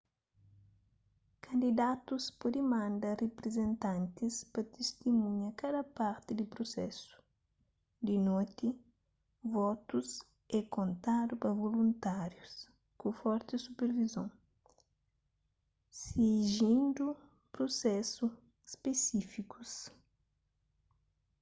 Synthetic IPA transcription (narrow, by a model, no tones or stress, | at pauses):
kʰɐ̃nd̪id̪at̪uspod̪imãnd̪ɐrepɾezẽnt̪ãnt̪ispɐt̪est̪imũɲɐkad̪ɐpaɾt̪ɪd̪ɪpɾosɛsu̥ | d̪inot̪i | vɔt̪us | ɛkõnt̪ad̪upɐvolũnt̪aɾjus | kufɔɾt̪ɪsupeɾvizõŋ | siʒĩnd̪u | pɾosɛsu | spesifikus